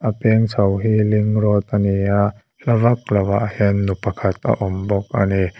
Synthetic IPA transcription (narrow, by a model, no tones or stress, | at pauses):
ʔapɛŋsɐwɦiːliŋrɔt̪̚ʔania | lavak̚lawaʔhɛnːupakʰat̪̚ʔa̰ʔɔmbɔk̚ʔa̰ni